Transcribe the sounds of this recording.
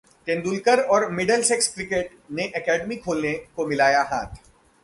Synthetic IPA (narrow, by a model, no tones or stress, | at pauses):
k̪ẽːnd̪ulkəɾɔːɾmɪɖəlsɛkskɾɪkeːʈ | neʔɛkɛːɖmikʰoːlnekomɪlaːjaɦaːt̪ʰ